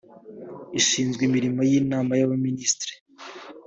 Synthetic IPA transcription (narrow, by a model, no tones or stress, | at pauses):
iʃiːnzɡwimiɾimojiːnaːmajaβaminiːstɾi̥